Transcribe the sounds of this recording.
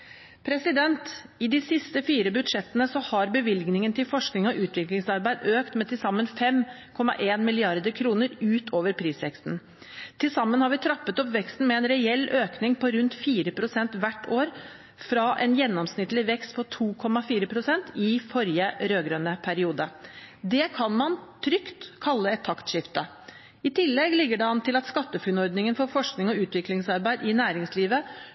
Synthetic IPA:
pʰɾɛsɪd̪ɛnt̪ | ɪd̪ɪsɪst̪əfiːɾəbʉd̪ʂɛt̪ːənəsɔhɑɾbəʋɪlɡnɪŋənt̪ʰɪlfɔʂknɪŋɔʔʉːt̪ʋɪklɪŋsɑɾbæɪd̪øːkt̪mɛt̪ɪlsɑmːənfɛm | kʰɔmːɑ̰ʔeːnmɪlɪɑɾd̪əkʰɾuːnəɾʉːt̪ʰoːʋəɾpʰɾiːsʋɛkst̪n̩ | t̪ʰɪlsɑmːənhɑɾʋɪt̪ʰɾɑpːət̪ɔpʋɛkst̪n̩mɛɛnɾɛɛlːøːknɪŋpʰɔɾʉnt̪fiːɾəpʰɾʊsɛnt̪ʋæʈːoːɾ | fɾɑʔɛnjɛnːɔmsnɪt̪lɪʋɛkst̪̚pʰɔt̪ʰuːkʰɔmːɑfiːɾəpʰɾʊsɛnt̪ɪfɔɾjəɾøːɡɾønəpʰæɾɪuːd̪əd̪ɛkʰɑnmɑnt̪ʰɾʏkt̪kʰɑlːəɛt̪ʰːɑkt̪ʂɪft̪ə | ɪt̪ʰɪlːɛɡlɪɡːəɖɛɑnt̪ʰɪlɑt̪skɑt̪ːəfʉnɔɾd̪nɪŋənfɔɾfɔʂknɪŋɔʉːt̪ʋɪklɪŋsɑɾbæɪd̪ɪnæːɾɪŋsliːʋə

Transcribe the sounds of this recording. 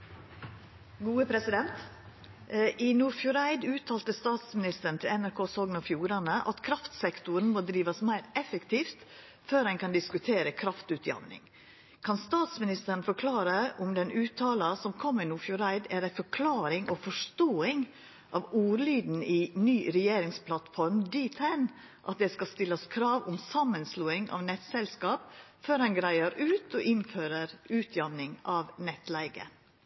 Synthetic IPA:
ɡuːəpʰɾɛsɪd̪ɛnt̪ | ʔɪnuːɾfjʊɾæɪd̪ʉːt̪ʰɑːlt̪əst̪ɑːt̪smɪnɪst̪əɾɳ̩t̪ʰɪlɛnæɾkʰoːsɔɡnɑfjuːɾɑnəʔɑ̰t̪kʰɾɑft̪sɛkt̪ʊɾn̩moːd̪ɾiːʋɑsmæɪɾɛfɛkt̪ʰiːft̪ | føːɾhæɪnkʰɑnd̪ɪskʉt̪ʰeːɾəkʰɾɑft̪ʉːt̪ʰjɑ̰ʋnɪ̰ŋ | kʰɑnst̪ɑːt̪smɪnɪst̪ən̩fɔkʰlɑːɾəʔʊmd̪ɛnʉːt̪ʰːɑːlɑsɔmkʰɔmːɪnuːfjʊɾæɪd̪æɾæɪfɔɾkʰlɑːɾɪŋʔɔfɔʂt̪oːɪŋ | ʔɑʋuːɾliːd̪n̩iːnyːɾɛjeːɾɪŋspʰlɑt̪fɔɾmd̪iːt̪ʰæɪn | ʔɑt̪̚d̪ɛːskɑst̪ɪlːəskʰɾɑːʋʊmsɑmːənsluːɪŋɑ̰ʋnɛt̪sɛlskɑːpføːɾhɑnɡɾæɪəɾʉːt̪ɔʔɪnføːɾəɾʉːt̪ʰjɑʋnɪŋʔɑʋnɛt̪læɪɡə̰

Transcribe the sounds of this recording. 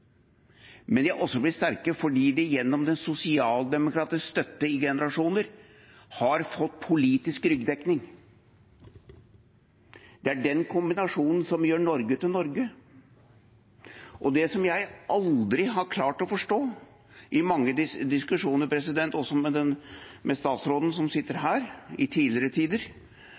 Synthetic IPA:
mɛnjæʔɔsːɔblɪt̪st̪æɾkəfɔɖiːd̪ɛjɛnːɔmd̪ɛnsʊsɪɑːld̪ɛmʊkɾɑːt̪ɪskst̪œt̪ːəɪɡɛnəɾɑʂuːnəɾ | hɑɾfɔt̪ːpʰʊliːt̪ɪskɾʏɡd̪ɛknɪŋ | d̪ɛæɖɛnkʰʊmbɪnɑʂuːnn̩sɔmjøːɳɔɾɡəʉt̪ːɪlnɔɾɡə | ʔɔd̪ɛsɔmjæɪʔɑld̪ɾɪɦɑɾkʰlɑːʈɔfɔʂʈoː | ʔɪmɑŋːəd̪ɪd̪ɪskʉʂuːnəɾpʰɾɛsɪd̪ɛnt̪ɔsɔmɛd̪ɛnmɛst̪ɑːt̪sɾoːd̪n̩sɔmsɪt̪ːəɾɦæːɾɪt̪ʰiːlɪɾət̪ʰiːd̪əɾ

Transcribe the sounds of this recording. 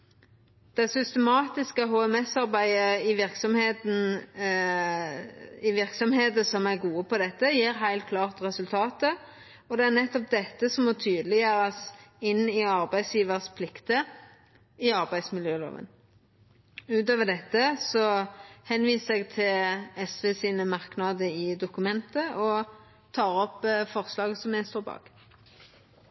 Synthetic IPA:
d̪̥ɛsʏst̪əmɑːt̪ɪskəɦoːɛmɛsːɑɾbæɪəɪʋɪɾksɔmheːt̪n | ɪʋɪɾksɔmheːt̪əsɔmæɾɡuːəpʰɔd̪ɛt̪ːəjiːɾɦæɪlt̪̚kʰlɑːʁt̪ɾɛsʉlt̪ʰɑːt̪ə | ɔd̪ɛæɾnɛt̪ːɔp̚d̪ɛt̪ːəsɔmɔt̪ʰyːd̪əlɪjøːɾɑsɪnːɪɑʁbæɪd̪sjiːʋəʁspʰlɪkt̪ə | ɪɑʁbæɪd̪smɪljøːlo̰ːʋə̰n | ʉːt̪øːʋəɖ̪ɛt̪ːəsɔhɛnʋiːssɛɡt̪ʰɪlɛsʋeːsiːnəmɑʁknɑd̪əɪd̪ʊkʉmɛnt̪əʔɔ | t̪ʰɑːʁɔpːfɔʁslɑːɡəsɔmɛst̪oːbɑ̰ːk

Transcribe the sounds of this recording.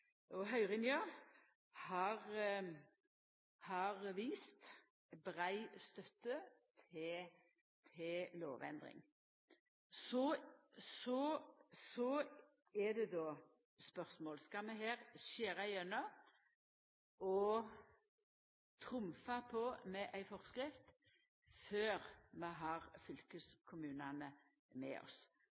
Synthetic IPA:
ʔɔɦœʏʁɪnjø | hɑʁ | hɑʁʋiːst̪ | bʁæɪst̪œt̪ːət̪ʰ | t̪ʰɪlo̰ːʋɛ̰nd̪ʁɪ̰ŋ | sɔsɔsɔ | ɛd̪ɛd̪oː | spœʁsmoːlskɑmɛɦeːʁseːɾæɪœnə | ɔ | t̪ʰʁʊmfɑpʰɔmɛʔæɪfɔʁskɾɪft̪ | føːʁmɛɦɑʁfʏlkəskʰʊmʉːnɑnə | mɛ̰ɔ̰s

